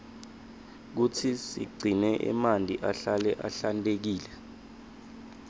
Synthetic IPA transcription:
k̬utʰisḭɡ͡ǀʱinɛʔɛ̰mandʱʼiʔaɬalɛʔa̰ɬantʼek̬iːlɛ

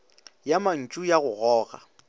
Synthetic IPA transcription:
jaman̩t͡ʃʼujaɣʊɣɔːɣa̰

